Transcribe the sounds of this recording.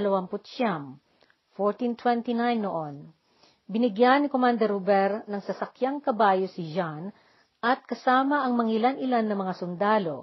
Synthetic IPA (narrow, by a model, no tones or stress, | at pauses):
lɐwampʊt̪ʃam | foɹt̪int̪wɛnt̪inajnːoʔon | bɪnɪɡjanɪkomand̪ɛɾubɛɾnɐŋsɐsɐkjaŋkɐbaːjosɪd͡ʒan | ʔɐt̪̚kɐsaːmɐʔɐŋmɐŋɪlanʔɪlanːɐmɐŋasʊnd̪aːlo̞̰